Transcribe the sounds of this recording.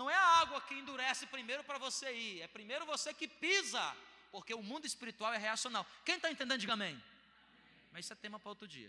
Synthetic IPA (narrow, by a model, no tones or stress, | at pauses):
nɐ̃w̃ɛɐaɡwɐkɪẽnd̪uɾɛsɪpɾimejɾʊpɾɐvoseiɛpɾimejɾʊvosekɪpizɐ | poɾkeʊmũnd̪ʊɪspiɾit̪uawɛɦeasionawkẽj̃t̪aẽt̪ẽnd̪ẽnʊd͡ʒɪɡɐ̃mẽj̃ | mɐzisɛt̪ẽmɐpɾɐot̪ɾʊd͡ʒḭɐ̰